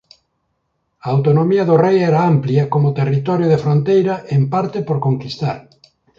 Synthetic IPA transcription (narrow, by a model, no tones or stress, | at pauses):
aawt̪onomiɐðʊrejɛɾaampljɐkomʊt̪erit̪ɔɾjoðefɾõnt̪ejɾɐʔempaɾt̪ɪpoɾkoŋkist̪aɾ